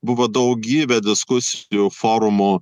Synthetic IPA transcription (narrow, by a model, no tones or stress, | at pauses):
bʊʋod̪ɐʊk̚ɡʲiːbʲɛd̪ʲɪskʊsʲjuːfoːɾʊmoː